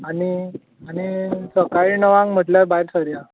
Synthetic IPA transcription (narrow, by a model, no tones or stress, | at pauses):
ani | añisəkaɭinəʋãŋɡm̤əʈljaɾbaɦiɾsəɾja